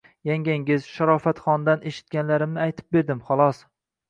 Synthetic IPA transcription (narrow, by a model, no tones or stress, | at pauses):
jaŋɡʲaŋɡʲɪzʃaɾɒfat̪χɒnd̪anʔeʃɪ̥t̪̚ɡʲanlaɾɪmnɪajt̪ʰɪ̥p̚be̞ɾd̪ɪmχɒlˠɒs